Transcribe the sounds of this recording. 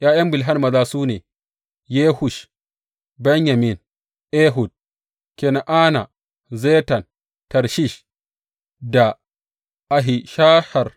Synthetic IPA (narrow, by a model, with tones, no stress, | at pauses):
jʔaː˦jɐ˦mbɪ˨lɦa˦nmɐ˨zaː˦suː˦neː˨ | jeː˦hu˨ʃ | bɛ˦ɲja˨mi˨n | ʔe˦ɦu˨d̚ | ke˨na˨ʔaː˦na˨ | zeː˦ta˨n | tɐ˨ɾʃi˦ʃ | da˨ | ʔa˨ɦi˨ʃa˦ha˨r